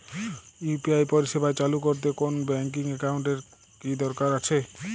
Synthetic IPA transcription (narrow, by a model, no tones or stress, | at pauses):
upiajpoɾiʃebʱaet͡ɕalukoɾt̪̬ekonbɛŋk̬iŋɛkawɳʈeɾ | kid̪ɔɾkaɾat͡ɕʰe